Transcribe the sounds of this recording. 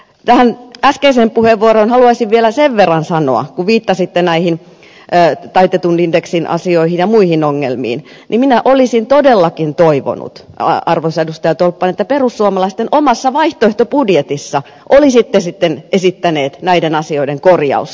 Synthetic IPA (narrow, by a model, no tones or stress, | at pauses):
t̪æhænæskeisempuheʋːuoɾonhɑluɑisiʋʋielæseʋʋerːɑnsɑno̰ɑ̰kuʋʋiːt̪ːɑsit̪ːenæihinː | t̪ɑit̪et̪unindeksinʔɑ̰sioihinjɑmuihinoŋːḛlmḭːn | nʔiminæʔolisint̪odelːɑkint̪oiʋo̰nṵt̪ɑrʋosedust̪ɑjɑt̪olpːɑnet̪ːæperusːuomɑlɑist̪enʔomɑsːɑʋɑiht̪oeht̪opudjet̪isːɑ | ʔolisit̪ːesit̪ːenesit̪ːæneːt̪næidenɑsioideŋkorjɑ̰us